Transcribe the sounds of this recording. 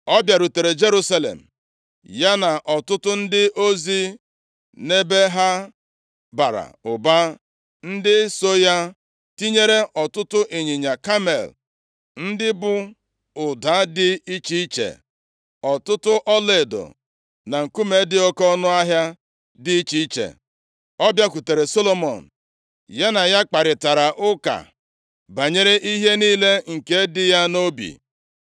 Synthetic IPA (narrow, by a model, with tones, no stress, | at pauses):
ɔ˦bja˨ɾu˨te˨ɾe˨d͡ʒe˦ɾu˦sa˦lḛ˨m̩˨ | ja˦na˨ʔɔ˨tʊ˦tʊ˦n̩˦dɪ˦ʔo˦zi˦ | ne˦be˦ɦa˦ | ba˨ɾa̰˨ʊ˨ba˦ | n̩˦dɪ˦so˦ja˦ | ti˦ɲe˦ɾe˦ʔɔ˨tʊ˦tʊ˦ʔi˨ɲi˨ɲa˨ka˦mḛ˨l | n̩˦dɪ˦bʊ˦ | ʊ˨da˨˦dɪ˦i˦t͡ʃi˦i˦t͡ʃḛ˨ | ɔ˨tʊ˦tʊ˦ʔɔ˦le˨do̰˨ | na˨ŋ̩˨ku˦me˨˦dɪ˦o˦kɔ˦nʊ˦a˦ɦja˦ | dɪ˦i˦t͡ʃi˦i˦t͡ʃḛ˨ | ɔ˦bja˦ku˨te˨ɾe˨so˦lo˦mɔ̰˨n̩˨ | ja˦na˨ja˦k͡pa˨ɾɪ˨ta˨ɾa˨ʔʊ˦ka̰˨ | ba˨ɲe˦ɾe˦ʔi˦ɦe˦niː˦le˦ŋ̩˨ke˦dɪ˦ja˦no˦bḭ˨